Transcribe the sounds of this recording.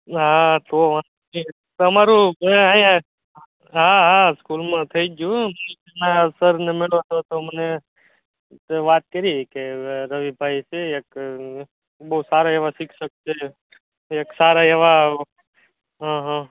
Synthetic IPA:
ɦãt̪oma | i | t̪əmaɾũajã | ɦãɦãskulmãt̪ʰəid͡ʒjũməneenasəɾnemɪɭot̪ʰot̪oməne | ʋaːt̪̚kəɾikeɾəʋibʱaiseek | bəɦusaɾaeʋasikʰsəkt͡ʃʰeː | ksaɾaeʋa | ɦãɦã

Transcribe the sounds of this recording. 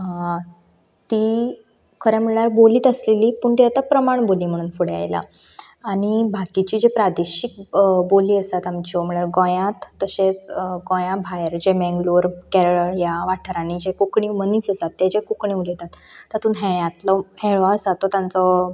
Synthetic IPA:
t̪iː | kʰəɾjam̤əɭɭaɾboliːt̪əsleliːpuːɳt̪iat̪apɾəmaɳboliːm̤əɽ̃uːnfuɽea̰jla̰ː | ɽ̃ibʱakit͡ɕiːd͡ʑepɾad̪eɕik̚boliːəsat̪amt͡ɕim̤əɭaɾɡõjãt̪ːəɕet͡sɡɔ̃jãbʱajəɾd͡ʑemɛ̃ŋɡluɾkɛɾɭəɭjaʋaʈʰəɾanid͡ʑekukɳiməniːsəsat̪ːjed͡ʑekukɳiulet̪at̪ːət̪uːnɦeɭjãt̪ləheɭʋaəsat̪ːɔt̪jãnt͡sə

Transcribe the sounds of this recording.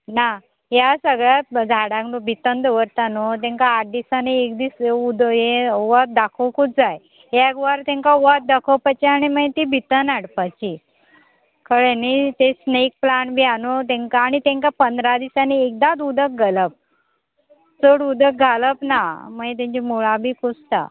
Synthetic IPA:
na | ɦjasəɡɭjat̪d͡zʱaɽaɡnobʱit̪ənd̪əʋəɾt̪anot̪ɛ̃ŋkaːʈ̚d̪isaneekd̪isud̪jeʋat̪̚d̪akʰəwkut̚d͡zaj | ɦjaɡʋaɾt̪ẽŋkauʋat̪̚d̪akʰəwpat͡ɕiañimət̪ibʱit̪ənaɽpat͡ɕi | kʰəɭenit̪esneik̚planbʱianot̪̬ɛ̃ŋkaːɽ̃it̪ɛ̃ŋkapənd̪ɾad̪isaniːk̚d̪ad̪ud̪ək̚ɡʱələp̚ | t͡soɽud̪ək̚ɡʱaləpnaməet̪̬ãɲt͡ɕimuɭabʱiːkust̪a̰

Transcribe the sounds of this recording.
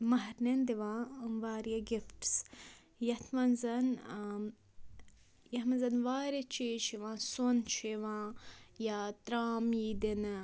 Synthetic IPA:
mɐɦɐɾnend̪iʋãːumʋaːɾjɐɡɪfʈs | jɐt̪ʰmɐnzɐn | jɐhmɐnzɐnʋaːɾjɐt͡ʃiːt͡ʃʰiʋãːsont͡ʃʰiʋãːjat̪ɾaːmiːd̪in

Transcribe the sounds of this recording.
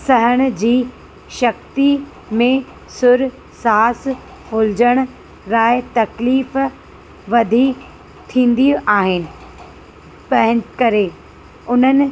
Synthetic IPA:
sɐɦəɽ̃ʊd͡ʑiː | ʃɐk̚t̪i | mẽ | sʊɾ | saːs | fʊld͡ʑəɽ̃ʊ | ɾaːɪt̪ɐkliːf | ʋɐd̪ʱi | t̪ʰĩːn̆d̪iũʔaːɦɪnɪ̆ | pɐɦɪ̃kɐɾe | ʊn̤ənɪ̆

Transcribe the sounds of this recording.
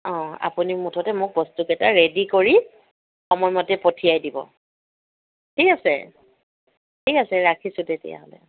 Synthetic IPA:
ɔ̃a̰punimutʰɔtɛmʊk̚bɔstukɛtaɹedikoɹi | xɔmɔjmɔtɛpotʰijajdibɔ̰ | tʰikasɛ̰ | tʰikasɛɹakʰisʊtetɛ̰ja̰ɦɔlɛ̰

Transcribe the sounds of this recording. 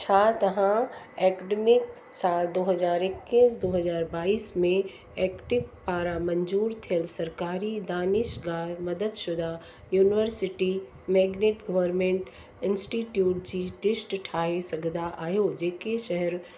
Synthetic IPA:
t͡ɕʰaːt̪ɐʋã | eːkɖemɪk | saːld̪oːɦɐzaːɾɪkːisd̪oːɦɐzaːɾbaːiːsmẽ | ɛːkʈɪʋpaːɾamɐ̃ɲd͡ʑuːɾt̪ʰijəlsɐɾkaːɾid̪aːnɪʃɡaːɾmɐd̪əd̪ʃʊd̪a | juːnɪʋəɾsɪʈi | mɛːɡneːʈɡɐʋəɾmẽːɳʈ | ɪ̃nsʈiːʈjuːʈ̚d͡ʑiːʈɪsʈʈʰaːɦesɐɡʱnd̪aʔaːɦjod͡ʑeːkeʃɐɦɛɾ

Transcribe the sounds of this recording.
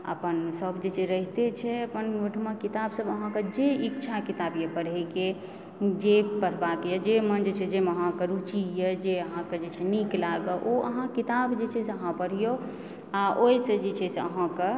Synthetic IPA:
ə̰pənsəbd͡ʒet͡ʃʰɛɾəɦit̪et͡ʃʰɛəpənɡoʈʰmãkit̪absəbəɦãked͡ʒeikt͡ʃʰakit̪abjepəɽɛke | d͡ʒepəɽ̤bakjəd͡ʒemənd͡ʒt͡ʃʰɛd͡ʒeməɦãkəɾut͡ʃijəd͡ʒeəɦãked͡ʒet͡ʃʰɛniklaɡəʔoə̰ɦãkit̪abd͡ʒet͡ʃʰɛseəɦãpəɽ̤ijo | aʔojsəd͡ʒet͡ʃʰɛseəɦãke

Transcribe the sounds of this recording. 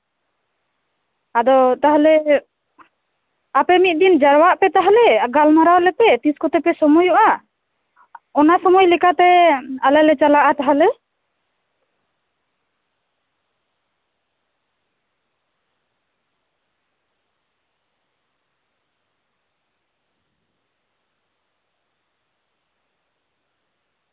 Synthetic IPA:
ad̪ɔt̪aɦlɛ | apɛmit̪̚d̪ind͡ʒaɾwaʔpɛt̪aɦalɛɡalmaɾawlɛpɛt̪iskɔt̪ɛpɛsɔmɔjuʔa | ɔnasɔmɔjlɛkat̪ɛalɛlɛt͡ʃalaʔat̪aɦalɛ

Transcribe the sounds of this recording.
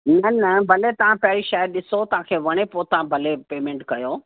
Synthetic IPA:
nɐnɐbʱɐlet̪ɐʋ̤ãpɐɦɪɾiʃɐɦəɾɗɪsot̪ɐʋ̤ãkʰeːʋɐɽ̃epoːt̪ɐʋ̤ãbʱɐlepeːmẽːɳʈkɐjoː

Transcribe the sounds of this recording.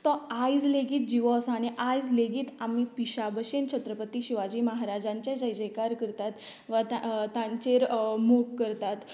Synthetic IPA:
t̪ɔajd͡zleɡiːt̪̚d͡ʑiʋɔsañiʔajd͡zleɡiːt̪amipiɕabəɕent͡ɕʰət̪ɾəpət̪iɕiʋad͡ʑiːməɦaɾad͡ʑãɲt͡ɕjad͡ʑəjd͡ʑekaɾkəɾt̪at̪ | ʋat̪at̪ãɲt͡ɕeɾmoɡkəɾt̪at̪

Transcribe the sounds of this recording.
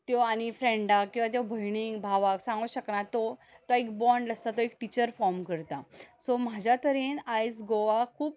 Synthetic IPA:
t̪jɔaɽ̃ifɾẽɳɖakːĩw̃ʋat̪jɔbʱəjɽ̃iŋɡbʱaʋaksãŋɡuɕəknat̪ɔt̪oekbɔɳɖləst̪at̪ɔekʈit͡ɕəɾfɔɾmkəɾt̪asɔmad͡ʑʱjat̪əɾenajd͡zɡoʋakʰuːp̚

